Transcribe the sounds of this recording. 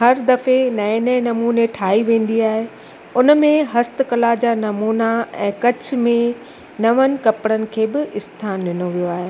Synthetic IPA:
ɦɐɾd̪ɐfenɐnɛnɐmuːneʈʰaːɦiʋẽːn̆d̪iaːɦe | ʊnəmẽɦɐst̪kɐlad͡ʑaːnɐmuːnaɛ̰̃ːkɐt͡ɕʰmẽ | nɐʋənɪ̆kɐpɽənɪ̆kʰeːbɪɪst̪ʰaːnɗɪnoʋijoaːɦeː

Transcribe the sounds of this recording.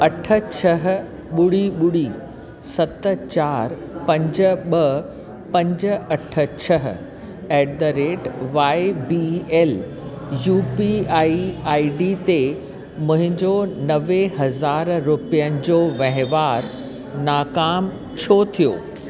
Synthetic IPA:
ɐʈʰə̆t͡ɕʰɐɦ̆ | ɓʊɽiɓʊɽi | sɐt̪ət͡ɕaːɾ | pɐ̃ɲd͡ʑə̆ɓɐ | pɐ̃ɲd͡ʑə̆ɐʈʰə̆t͡ɕʰɐɦ̆ | eːɖəɾeːʈʋaːebieːl | juːpiaːiaːiɖit̪e | mʊ̃ɦɪ̃ɲd͡ʑonɐʋeɦɐzaːɾɾʊpijənɪ̆d͡ʑoːʋɐ̃ɦɪ̃ʋaːɾ | naːkaːm | t͡ɕʰot̪ʰijo̰ː

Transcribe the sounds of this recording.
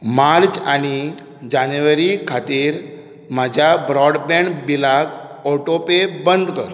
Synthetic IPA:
maɾt͡ɕañi | d͡ʑanjuʋəɾikʰat̪iːɾ | mad͡ʑʱjabɾɔɽbɛ̃ɳɖbilaɡɔʈopebənd̪ʱkəɾ

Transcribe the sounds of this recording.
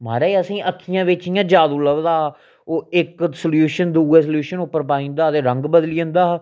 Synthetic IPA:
ma̰ːɾeːeəsĩːʔəkʰːijãːʋɪt͡ʃɪjãːd͡ʒaːd̪uːləbd̪aː | oːɪksəljuːʃənd̪uːeːsljuːʃənʊpːəɾpaːĩːnd̪aːd̪eːɾəŋɡbəd̪liːə̃nd̪aː

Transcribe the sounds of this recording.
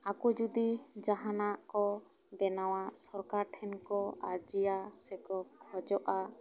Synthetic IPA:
akud͡ʒud̪id͡ʒaɦanaʔkɔ | bɛnaw̃aʔsɔɾkaɾʈʰɛnkɔad͡ʒijasɛkɔk̚hɔd͡ʒɔʔa

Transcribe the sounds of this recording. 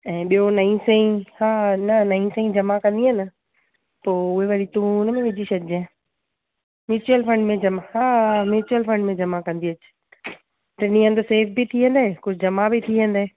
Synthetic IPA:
ɛ̃ːɓijonɐ̃ĩsẽĩhaːnɐnɐĩsə̃ĩd͡ʑɐmakɐ̃nd̪iɦɪnɪ | poːʊɦeʋɐɽit̪ũnmẽʋɪd͡ʑiʃɐd͡ʑã | mɪːt͡ɕuəlfɐ̃ɳɖmẽd͡ʑɐmaɦaːmɪɾɪt͡ɕuəlfɐ̃ɳɖmẽd͡ʑɐmakɐ̃nd̪iɐt͡ɕ | ʈɪnĩə̃nd̪əseːfbɪt̪ʰiɦə̃nd̪aːekʊd͡ʑʱɪd͡ʑɐmabɪt̪ʰiɦə̃nd̪aːɦeː

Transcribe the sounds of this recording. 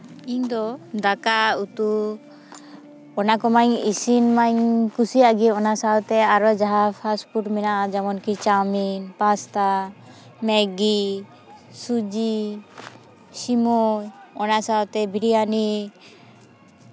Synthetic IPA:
iɲd̪ɔd̪akaut̪u | ɔnakɔmaɲisinmaɲkusiaɡiɔnasawt̪ɛaɾɔd͡ʒaɦapʰaspuʈmɛnad͡ʒɛmɔnkit͡ʃaminpast̪a | mɛɡi | sud͡ʒi | simɔɔnasawt̪ɛbʱiɾiani

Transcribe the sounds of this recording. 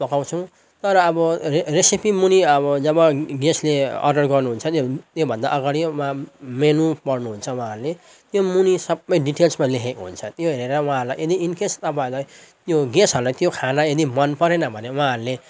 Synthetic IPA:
pʌkaw̃t͡sʰʌw̃ | t̪ʌɾʌːbʌresipimuniʌbʌd͡zʌbʌɡesleʌ̰rɖʌrɡʌrnuɦunt͡sʰʌt̪jot̪jobʱʌnd̪a̰ʔʌɡaɽimamenupʌrnuɦunt͡sʰʌw̃ɦãːɾule | t̪jomunisʌbʌjɖiʈelsmalekʰekɦṵnt͡sʰʌt̪joɦeɾeɾʌw̃ɦãɦʌɾulajed̪iinkest̪ʌpaĩlajt̪joɡesɦʌɾulajt̪jokʰanaed̪imʌnpʌɾenʌbʱʌnewɦãɦʌɾule

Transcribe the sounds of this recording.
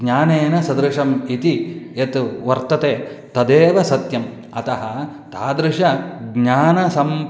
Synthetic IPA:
ɲaːneːnɐsɐd̪ɾɪʂɐmit̪iet̪ʋɐɾt̪ɐt̪eːt̪ɐd̪eːʋɐsɐt̪jɐm | ɐ̰t̪ɐɦɐ | t̪aːd̪ɾɪʃɐɡɲaːnɐsɐm

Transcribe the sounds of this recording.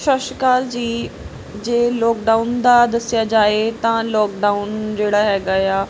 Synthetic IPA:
ʃəʃkaːld͡ʑiː | d͡ʑeːlɔːkɖaːʊnd̪ad̪ɐsijad͡ʑaːet̪ãlɔːkɖaʊnd͡ʑeːɽaɦɛːɡajaː

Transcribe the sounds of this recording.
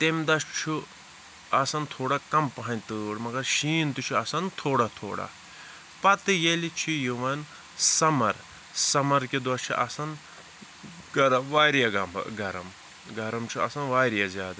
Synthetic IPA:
t̪emʲd̪ɐst͡ʃʰu | ɐsɐnt̪ʰoːɽakɐmpɐɦɐnʲt̪ɨɽmɐɡɐɾʃiːnt̪ut͡ʃʰuɐsɐnt̪ʰoːɽat̪ʰo̰ːɽa̰ | pɐt̪ɨjelit͡ʃʰijuʋɐn | sɐmɐɾ | sɐmɐɾkid̪ʋɐt͡ʃʰḭʔɐsɐn | ɡɐɾɐmʋaːɾijaɡɐmb̰ɡɐɾɐm | ɡɐɾɐmt͡ʃʰuɐ̰sɐnʋaːɾijazʲjaːd̪ɐ

